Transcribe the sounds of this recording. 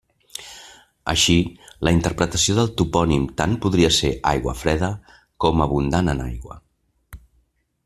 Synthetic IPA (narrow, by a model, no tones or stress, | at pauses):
ə̰ʃiləint̪əɾpɾət̪əsioðəlˠt̪upɔnimt̪ampuðɾiəseʔajɣwəfɾɛðə | kɔməβ̞und̪anənajɣwə̰